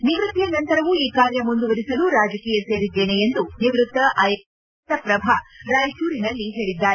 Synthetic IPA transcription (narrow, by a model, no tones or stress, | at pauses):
niʋɾut̪ːijɐnɐnt̪ɐɾɐʋuiːkaːɾjɐmund̪uʋɐɾisɐluɾaːd͡ʒɐkiːjɐse̞ːɾid̪ːe̞ːnejend̪uniʋɾut̪ːɐʔɐj | t̪ɐpɾɐbʱaːɾaːjʃuːɾinɐlːiɦe̞ːɭid̪ːaː